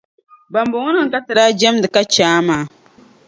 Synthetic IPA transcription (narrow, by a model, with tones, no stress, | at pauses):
ba˨mbʊ˨ŋʊ˦nɨ˨ŋ˨ka˦tɨ˨ɾaː˦d͡ʒɛ˦mdɨ˨ka˦t͡ʃaː˦maː˨˦